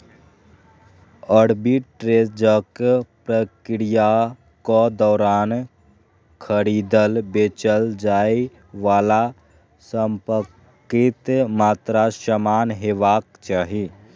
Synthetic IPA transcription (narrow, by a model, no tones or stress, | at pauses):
əɽbiʈʈɾed͡ʒəkpɾəkɾija | kɔd̪ɔːɾaːn | kʰəɾid̪əlbet͡ʃəld͡ʒaːi | ʋaːla | səmpəkː | it̪maːt̪ɾasəmanɦeʋakt͡ʃaːɦi